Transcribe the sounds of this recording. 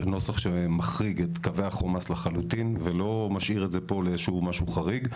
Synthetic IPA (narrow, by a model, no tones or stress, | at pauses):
no̞saχʃemaχʁiɡet̪kave̞aχomaslaχalut̪invelo̞maʃʔiʁetzepo̞leʃuumaʃuχaʁiɡ